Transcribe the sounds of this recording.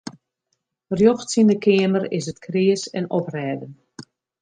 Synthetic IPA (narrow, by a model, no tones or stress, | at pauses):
rjoxtsindəkʰɪəmərɪsətkʰriəsɛnɔprɛːdən